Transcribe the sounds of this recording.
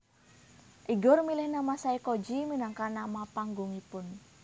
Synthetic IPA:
ʔiɡɔrmilɪhnamasaikod͡ʒiminaŋkanamapaŋɡʊŋipʊn

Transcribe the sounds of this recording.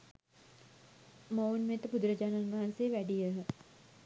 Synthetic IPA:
mowunmet̪əpud̪ɾəd͡ʒaːnaunʋɐɦanseːʋæɖijəɦə

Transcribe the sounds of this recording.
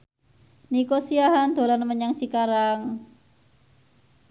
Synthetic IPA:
nikosiaɦand̪̥o̤lanməɲaŋt͡ʃikaɾaŋ

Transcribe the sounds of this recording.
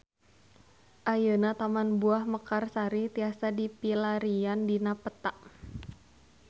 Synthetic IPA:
ʔajənat̪amanbuahməkarsaɾit̪iasadipilaɾiandinapət̪aʔ

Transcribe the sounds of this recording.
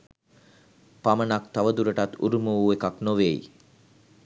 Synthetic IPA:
pamənakt̪aʋəd̪uɾəʈat̪ṵɾumuuekaknoʋej

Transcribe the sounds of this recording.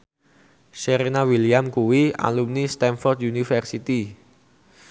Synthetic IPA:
ʃeɾenawiliamkuwia̰lumnist̪ɛnfɔrd̪unifərsit̪i

